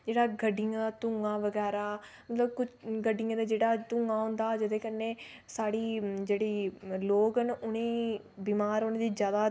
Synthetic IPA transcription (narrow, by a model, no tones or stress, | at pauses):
d͡ʒeːɽaːɡəɖɪjãːd̪aːt̪ʊ̃ŋɡaːʋəɡɛːɾaːmət̪ləbkʊt͡ʃʰɡəɖɪjãːd̪aːd͡ʒeːɽaːt̪ʊ̃ŋɡaːɦʊ̃nd̪aːd͡ʒɪd̪eːkənːeː | saːɽiːd͡ʒeːɽiːloːkənʔʊnẽː | biːmaːɾoːnẽːd̪iːd͡ʒjaːd̪aː